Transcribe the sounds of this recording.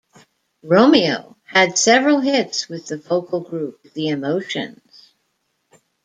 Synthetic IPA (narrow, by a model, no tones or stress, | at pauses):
ɹoʊ̃mioʊ | ɨd̥sɛvɹl̩ˠɦɪtswɨðɨfoʊkl̩ˠɡɹʉp̚ðiɨmoʊʃɨ̰̃nz̥